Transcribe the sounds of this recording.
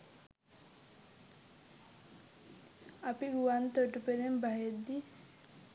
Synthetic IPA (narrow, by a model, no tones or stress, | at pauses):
apiɡuʋant̪əʈupəɾembʱaɦed̪i